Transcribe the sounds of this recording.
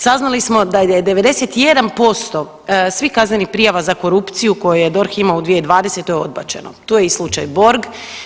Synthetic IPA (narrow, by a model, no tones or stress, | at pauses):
saznalismo̞d̪ajeed̪e̞ʋe̞d̪e̞set̪ije̞d̪anpo̞st̪o̞ | sʋikaznenipɾijaʋazako̞ɾupt̪sijuko̞jujed̪o̞ɾximaud̪ʋijed̪ʋaːd̪e̞se̞t̪ojeo̞d̪̚ba̰t͡ʃe̞̰not̪ujeislˠut͡ʃajbo̞ɾɡ